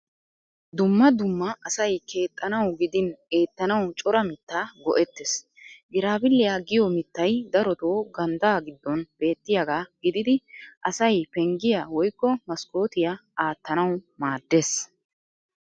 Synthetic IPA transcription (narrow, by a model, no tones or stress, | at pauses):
d̪ʊmːɐd̪ʊmːɐʔɐsɐjkʰe̞ːt̪ʼːɐnɐwɡɪd̪ɪneːt̪ːɐnɐwt͡ʃʼɔɾɐmɪt̪ːaːɡɔ̰ʔɛt̪ːes | ɡɪɾaːbɪlːɪjaɡɪjɔmɪt̪ːɐjd̪ɐɾɔt̪o̞ːɡɐnd̪aːɡɪd̪ːɔnb̥e̞ːt̪ːɪjaɡaːɡɪd̪ɪd̪ɪʔɐsɐjpɛŋɡɪjawɔjkːɔmɐskʼo̞ːt̪ɪjɐaːt̪ːɐnɐwmaːd̪ːe̞ːs